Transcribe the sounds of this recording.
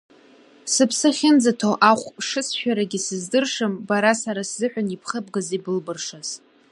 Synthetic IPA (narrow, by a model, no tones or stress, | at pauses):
sɨpʰsɨχʲɪnd͡zatʰoʔaχʷʂɨsʃᶣaɾaɡʲɪsɨzdɨrʂɨmbaɾasaɾaszɨħʷᶣanipʰχəb̚ɡazibɨlbɨrʂaz̥